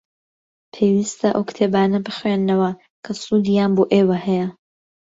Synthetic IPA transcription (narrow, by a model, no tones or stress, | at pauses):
pʰeːwist̪ʰɐʔowkt̪ʰeːbaːnɐbɨχwenːɐwɐ | kʰɐsuːd̪ijaːnboːʔeːwɐhɛjɐ